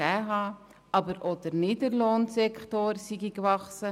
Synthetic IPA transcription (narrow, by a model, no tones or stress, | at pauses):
ɛːɦɑː | ɑbəɾʔod̥əɾniːdəɾloːnsɛkχtoɾsiɡikvɑχsə